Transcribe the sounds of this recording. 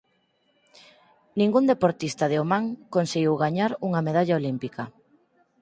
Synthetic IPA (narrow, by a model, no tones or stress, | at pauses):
nĩŋɡund̪epoɾt̪ist̪aðeomaŋkonseɣiwɣaɲaɾuŋɐmeðaʎaolimpikɐ